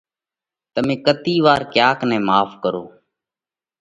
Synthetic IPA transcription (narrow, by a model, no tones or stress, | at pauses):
t̪əmẽːkət̪iːʋaːɾkjaːknɛ̃ːmaːfkəɾoː